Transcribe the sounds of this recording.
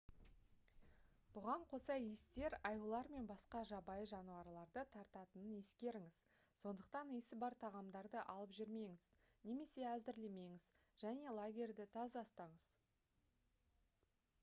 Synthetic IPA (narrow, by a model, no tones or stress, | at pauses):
b̥ʊʁɑɴqʰo̞sɑjest̪e̞ɾɑjulˠɑɾme̞nbɑsqɑʒɑbɑjəʒɑnuwɑɾlˠɑɾd̪ət̪ʰɑɾt̪ɑt̪ənənje̞skʲe̞ɾɪŋɪz̥ | so̞nd̪əq̚t̪ɑnijsɪbɑɾt̪ʰɑʁɑmd̪ɑɾd̪əʔɑlˠəpʒʏɾme̞ŋɪz̥ | ne̞me̞se̞æzd̪ɪɾleme̞ŋɪz | ʒ̥æne̞lˠaɡʲe̞rʲd̪ɪt̪ʰɑzɑst̪ɑɴəz